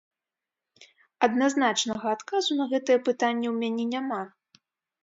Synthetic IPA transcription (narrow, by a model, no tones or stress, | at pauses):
ɐd̪naznat͡ʂnɐɣɐːt̪kazunɐɣɛt̪ɨjɛpɨt̪anʲːɛwmʲanʲɛnʲama